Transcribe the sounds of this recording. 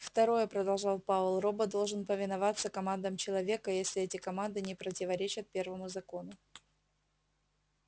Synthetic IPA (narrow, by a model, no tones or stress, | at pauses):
ft̪ɐɾo̞jəpɾəd̪ɐlˠʐɑlˠpavʊlˠro̞bəd̪o̞lˠʐɨnpəvʲɪnɐvat̪sːəkɐmand̪əmt͡ɕɪlˠɐvʲe̞kəjesʲlʲɪɛtʲɪkɐmand̪ɨnʲɪpɾətʲɪvɐɾʲet͡ɕət̪̚pʲe̞rvəmʊzɐko̞nʊ